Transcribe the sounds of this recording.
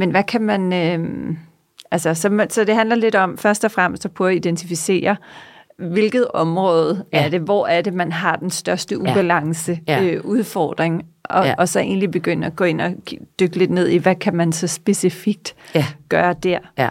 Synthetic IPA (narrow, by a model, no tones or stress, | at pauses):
menʋækʰæmænøm | ʔælsɐsɒ̽sɒ̽d̥e̝ɦænlɐle̝d̥ɒ̽mfɶɐsd̥ɒ̽fʁam̰sd̥pʰɒ̽æid̥ent͡sʰifise̝̰ːɐ | ʋe̝lɡ̥ð̞̩ˠɒ̽mʁɔ̽ːð̞̩ˠæɐɾ̥e̝ʋɒ̰æɐd̥emænɦɑ̈d̥ensd̥ɶɐsd̥əʔub̥ælɑ̈ŋsəøʔuð̞ˠfɒ̰ːd̥ʁeŋɒʔːsɒ̽ʔe̝̰ːnlib̥e̝ɡ̥øn̰əæɡ̥ɔ̰ːe̝n̰ɒ̥̽d̥øɡ̥əle̝d̥ne̝ð̞̰ˠiʋækʰæmænsɒ̽sb̥e̝sifiɡ̥̚d̥ɡ̥ɶːɐd̥æɐ̰